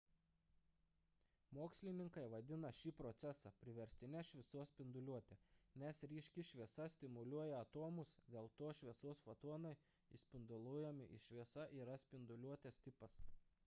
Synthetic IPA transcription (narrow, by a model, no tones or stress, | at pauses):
moːksʲlʲɪnʲɪŋkɐɪʋɐd̪ʲɪnɐʃʲiːpɾɔt̪sʲɛsɑpʲɾʲɪʋʲɛɾʲsʲt̪ʲɪnʲɛʃʲʋʲɪsoɔsʲpʲɪnd̪ʊlʲuɔt̪ʲeːnʲɛsɾʲiːʃʲkʲɪʃʲʋʲiɛsɐsʲt̪ʲɪmʊlʲuɔjɛɐt̪oːmʊsd̪ʲeːlˠt̪oːʃʲʋʲiɛsoːsfɐt̪oɔnɐɪ | ɪsʲpʲɪnd̪ʊlˠujɛmʲɪʔɪʃʲʋʲiɛsɐʔiːɾɐsʲpʲɪnd̪ʊlʲuɔt̪ʲeːst̪ʲɪpɐs